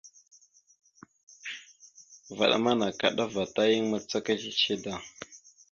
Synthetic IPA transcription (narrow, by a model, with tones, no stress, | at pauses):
va̰˨ɗa̰˦ma˦na˨ka̰˨ɗa˦va˨ta˦ji˦ŋma˦t͡sa˦ka˦t͡ʃi˦t͡ʃe˦da˨